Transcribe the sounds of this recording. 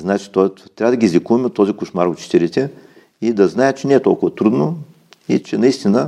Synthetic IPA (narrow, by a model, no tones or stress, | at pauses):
znat͡ʃi̥t̪ɔj̪t̪ɾʲavəd̪ɐɡiːzlʲikuvɐmɛot̪ːɔzikoʃmaɾot͡ʃɛ̥t̪ɛlit̪ɛ | id̪ɐznaɛt͡ʃɛnɛːt̪ɔ̰lˠkʊvɐt̪ɾud̪no | ḭt͡ʃɛnɐist̪inə